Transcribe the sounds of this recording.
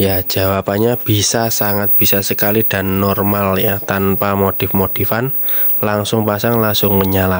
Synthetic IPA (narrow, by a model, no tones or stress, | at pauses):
jḁʒ̥a̤wapaɲab̥i̤sasaŋat̪̚b̥isasəkalid̥a̤nːɔrmaljat̪anpamot̪ɪfmot̪ifanlaŋsʊŋpasaŋlaŋsʊŋməɲala